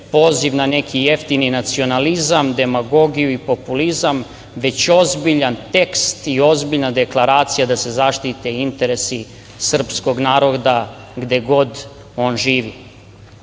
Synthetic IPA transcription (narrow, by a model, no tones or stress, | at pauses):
po̞ːziʋnane̞kʰije̞ft̪ininat̪sio̞nalizamd̪e̞maɡo̞ɡijuipo̞pulizam | ʋe̞t͡ɕo̞zbiʎant̪e̞kst̪io̞zbiʎnad̪e̞klˠaɾaːt̪sijad̪ase̞zaʃt̪it̪eint̪e̞ɾe̞si | sr̩psko̞ɡnaːɾo̞d̪a | ɡd̪e̞ɡo̞d̪ | o̞ːnʒiːʋi